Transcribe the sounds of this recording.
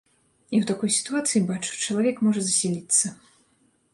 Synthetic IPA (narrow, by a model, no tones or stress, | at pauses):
iwt̪akɔjsʲi̥t̪uat̪sɨjibat͡ʂu̥t͡ʂɐlˠavʲɛkmɔʐɐzɐsʲilʲit̪sːɐ